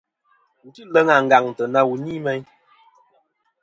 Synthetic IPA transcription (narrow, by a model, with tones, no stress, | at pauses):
n̩˨ti˦lə˦ŋa˨ŋ̩˨ɡa˨ŋ˨tə˨na˦wu˨ɲi˦mɛ˦ɲ